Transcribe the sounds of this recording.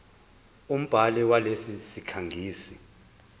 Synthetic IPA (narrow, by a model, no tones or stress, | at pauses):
um̩b̥ʱalɛwalesisikʰaŋʱiːsi